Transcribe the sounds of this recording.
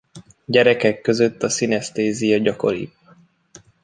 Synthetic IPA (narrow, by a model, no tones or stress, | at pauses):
ɟɛɾɛkɛkːø̞zøt̪ːɒsinɛst̪eːzijɒɟɒko̞̰ɾḭp